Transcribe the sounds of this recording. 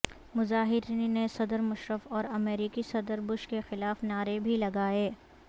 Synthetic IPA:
mʊzaːɦɪɾiːnnesɐd̪əɾmʊʃɾəfɔːɾɐmeːɾiːkisɐd̪əɾbʊʃkexɪlaːfnaːɾebʱilɐɡaːeː

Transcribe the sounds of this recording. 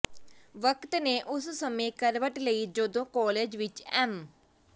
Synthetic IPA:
ʋəkt̪neːʔʊssəmẽːkəɾʋəʈləiːd͡ʒoːd̪õːkɔːleːd͡ʒʋɪt͡ʃɛːm

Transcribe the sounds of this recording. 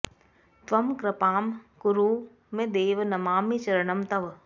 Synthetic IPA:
t̪ʋɐmkɾɪpaːmkʊɾuː | mẽd̪eːʋnɐmaːmit͡ʃɐɾɐɳɐmt̪ɐʋ

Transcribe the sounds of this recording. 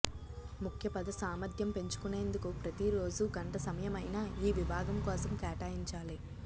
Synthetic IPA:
mukʰjɐpɐd̪ɐsaːmɐd̪ʱjɐmpe̞ɲt͡ʃu̥kune̞ːnd̪ukupɾɐt̪iɾo̞ːd͡ʒuɡɐɳʈɐsɐmɐjɐmɐjnaːiːʋibʱaːɡɐmkɔːsɐmkɛːʈaːjiɲt͡ʃaːli

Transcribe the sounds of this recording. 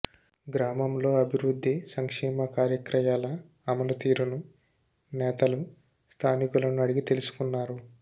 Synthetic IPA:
ɡɾaːmɐmlo̞ːɐbʱiwɾud̪ʱːisɐŋkʂɛːmɐkaːɾjɐkɾɐjaːlɐː | mɐlɐt̪iːɾunu | nɛːt̪ɐlu | st̪ʰaːnikulɐnuɐɽiɡit̪e̞lusu̥kunːaːɾu

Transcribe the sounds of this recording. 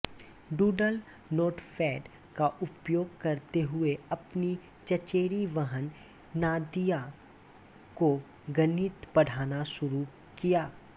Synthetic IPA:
ɖuːɖəl | noːʈfʰɛːɖ | kaʔʊpjoːɡkɐɾt̪eɦʊeɐpni | t͡ʃɐt͡ʃeːɾiʋəɦənː | aːd̪ija | ko | ɡənɪt̪pɐɽ̤ʱaːnaʃʊɾu | kijaː

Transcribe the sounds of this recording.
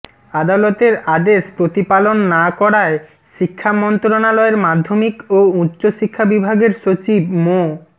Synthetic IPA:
ad̪alot̪eɾad̪eʃpɾot̪ipalonːakɔɾae | ʃikʰːamɔnt̪ɾonalɔeɾmad̪ʱːomikoutːɕoʃikʰːabibʱaɡeɾʃot͡ɕibmo

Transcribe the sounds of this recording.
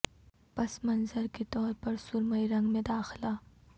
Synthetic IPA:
pɐsmɐnzəɾket̪ɔːɾpɐɾsʊɾməiɾɐ̃ŋɡmẽd̪aːxɪlaː

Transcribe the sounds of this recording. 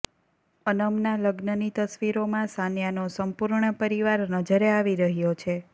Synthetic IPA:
ənəmnaləɡnənit̪əsʋiɾomãsanjanosəmpuɾɳəpəɾiʋaɾnəd͡ʒəɾeaʋiɾəɦjot͡ʃʰe

